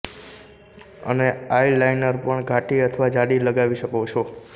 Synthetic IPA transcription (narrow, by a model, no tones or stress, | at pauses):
ə̰neailajnəɾpəɳɡʱaʈiət̪ʰʋad͡ʒaɽiləɡaʋiʃəkot͡ʃʰo